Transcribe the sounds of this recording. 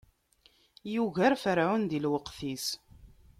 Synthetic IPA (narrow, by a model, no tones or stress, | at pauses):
juʝæɾfəɾʕund̪ilwəqθis